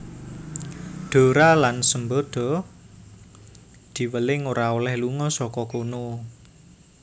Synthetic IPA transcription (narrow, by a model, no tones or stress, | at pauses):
ɖ̪̥o̤ɾalansəmbod̪̥ɔ̤ | d̪̥i̤wəlɪŋoɾaolɛhluŋɔsɔkɔkono